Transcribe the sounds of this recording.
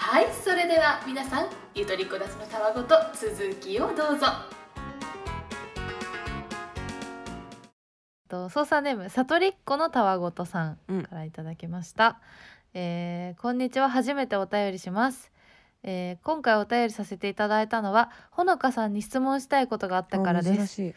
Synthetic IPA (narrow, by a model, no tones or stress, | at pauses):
haiso̞ɾe̞d̪e̞βamʲinasãŋ̃ | jɯ̟t̪o̞ɾʲikːo̞d̪at͡sɨno̞t̪aβaɡo̞t̪o̞t͡sɨzɨkʲiod̪o̞ːzo̞ | t̪oso̞ːsanːe̞ːmɯ̟sat̪o̞ɾʲikːo̞no̞t̪aβaɡo̞t̪o̞sãŋkaɾait̪ad̪akʲimaɕi̥t̪a | eːkõ̞ɲ̟ːit͡ɕiβ̞aɦaʑime̞t̪e̞o̞t̪ajo̞ɾʲiɕimasɨ̥ | eːkõ̞ŋkaio̞t̪ajo̞ɾʲisase̞t̪e̞it̪ad̪ait̪ano̞βaho̞no̞kasãɲ̟ːiɕi̥t͡sɨmõɰ̃ɕi̥t̪aiko̞t̪o̞ɡaːt̪ːakkaɾad̪e̞sɨ̥